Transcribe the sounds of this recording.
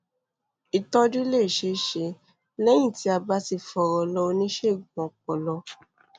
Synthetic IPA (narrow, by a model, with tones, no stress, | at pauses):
i˨tɔ̃˦d͡ʒu˦le˦˨ʃe˧˦ʃe˧˦ | lɛ˦j̃ĩ˦˨ti˧˦a˧ba˧˦ti˧fɔ˧˨ɾɔ˧lɔ˧o˧nĩ˦ʃe˦˨ɡ͡bɔ̃˨k͡pɔ˧lɔ˧